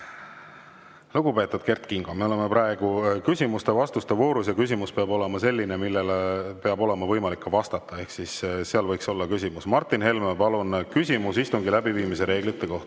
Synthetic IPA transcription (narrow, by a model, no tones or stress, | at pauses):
luɡupe̞t̪ːˑud̪̥ke̞rt̪kiŋɡ̥ɑme̞o̞le̞mepɾɑe̞ɡ̥ukysʲimust̪e̞vɑst̪ust̪evo̞ːɾusjɑkys̬ʲimuspeɑbo̞le̞mɑse̞lʲːine̞milːelpe̞ɑbo̞le̞mɑvɤjmɑlikːɑvɑst̪ɑt̪ːˑɑe̞hksisseɑlvɤjkso̞lːɑkysʲimusmɑrt̪ːˑinɦe̞lmepɑlunkysʲimusist̪uŋɡilæbiviːmise̞ɾe̞ːɡ̥lit̪ːˑe̞ko̞ht̪ɑ̥